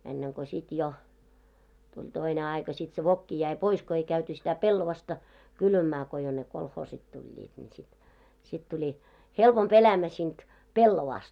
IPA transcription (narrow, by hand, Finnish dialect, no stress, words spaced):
enːeŋ ko sit jo tulʲ toine ɑikɑ sit se ʋokːi jæi pois ko ei kæyty sitæ pelːoʋɑstɑ kylʋæmæː ko jo ne kolhoːsit tulʲːiːt nʲi sit sit tulʲi helpomp elæmæ siːnt pelːoʋɑːst